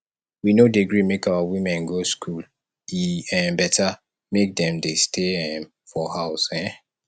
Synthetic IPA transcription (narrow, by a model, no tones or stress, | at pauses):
winodeɡɹimekawawimɛ̃nɡoskʰul | iɛ̃bɛtʰa | mek̚dɛ̃mdestʰeɛ̃m | fɔhaʊsɛ̃